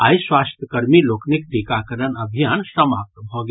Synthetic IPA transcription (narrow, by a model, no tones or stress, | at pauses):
aːiswaːst̪ʰjəkəɾmiloːknɪk̚t̪ikakəɾənɐbʱijaːnsɐmaːp̚t̪bʱoːɡ